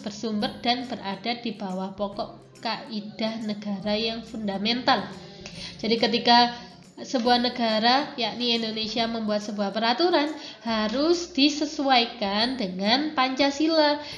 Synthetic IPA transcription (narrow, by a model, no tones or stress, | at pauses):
b̥ərsumbərd̥anb̥ərʔad̥ad̥ib̥awahpɔkɔʔ | kaʔid̥ahnəɡ̥aɾajaŋfundamɛnt̪al | d͡ʒadikət̪ika | səbuahnəɡaɾajaʔniindonesiaməmbuat̪̚səbuahpəɾat̪uɾanhaɾʊsd̥isəsuajkandəŋanpaɲt͡ʃasila